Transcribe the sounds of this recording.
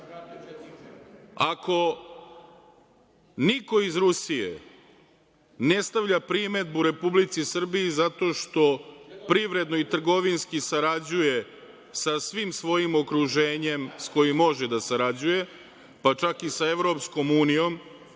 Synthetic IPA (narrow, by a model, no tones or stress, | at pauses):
akʰo̞ | niko̞izɾusiḛ | ne̞st̪aʋʎapɾime̞d̪̚buɾe̞publit̪sisr̩bijizat̪o̞ːʃt̪o̞pɾiʋɾe̞d̪no̞it̪r̩ɡo̞ʋinskisaɾad͡ʑuje̞ | sasʋimsʋo̞jimo̞kɾuʒe̞ːɲe̞msko̞jimːo̞ʒed̪asaɾad͡ʑuje̞ | pat͡ʃakisae̞ʋɾo̞psko̞muːnijo̞m